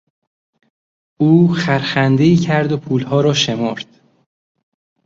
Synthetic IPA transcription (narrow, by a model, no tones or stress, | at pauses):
uːxæɾxænd̪eiːcʰæɾd̪opʰuːlhɒːɾɒːʃe̞moɾd̪̥